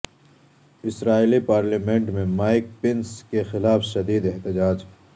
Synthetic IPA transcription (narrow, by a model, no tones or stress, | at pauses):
ɪsɾaːilipaːɾliːmẽɳʈmẽmaːɪk̚pɪnskexɪlaːfʃɐd̪iːd̪ɛɦt̪ɪd͡ʒaːd͡ʒ